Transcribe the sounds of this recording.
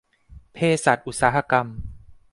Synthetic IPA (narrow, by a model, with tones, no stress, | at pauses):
pʰeː˧sa˨˩t̪̚ʔu˨˩saː˩˦ɦa˧ka˧m